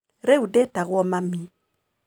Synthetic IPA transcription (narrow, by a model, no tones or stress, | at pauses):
ɾeudetaɣwɔmami